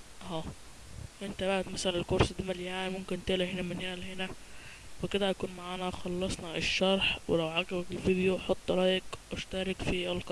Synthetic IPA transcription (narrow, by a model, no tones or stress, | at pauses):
ʔʔæː | ʔent̪æbaʔæd̪mæsælænelkoɾˤsd̪imæljanimomkent̪eʔlæhenæmæneʔælːhenæweked̪æjækuːnmaʕaːnæxɑlːɑsˤnɑʔeʃːɑɾˤħwelæwʕaɡæbækelfid̪joħot̪ˤːɾˤɑːjekʔæʃt̪æːɾˤɑkfiʔælkɑ